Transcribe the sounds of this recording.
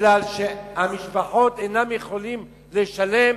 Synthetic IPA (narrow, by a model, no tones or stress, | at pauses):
lalʃehamiʃbaħo̞t̪ejnamjeχo̞lim | leʃale̞m